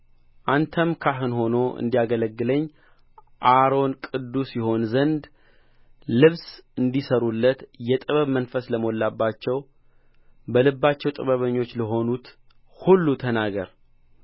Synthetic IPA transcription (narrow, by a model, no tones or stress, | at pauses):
ʔant̪ʰəmkʰaɦɨnho̞no̞ʔɨ̰nd̪ijaɡələɡːɨləɲː | ʔaɾo̞nkʼɨd̪ːusjɛɦo̞nzənd̪ | lɨβsɨnd̪isəɾulːət̪jɛt̪ʼɨβəβmənfəsləmo̞lːabːat͡ʃːɛw | bəlɨbːat͡ʃːɛwt̪ʼɨβəβəɲːo̞t͡ʃːləɦo̞nut̪ | hulːut̪ʰənaɡə̰ɾ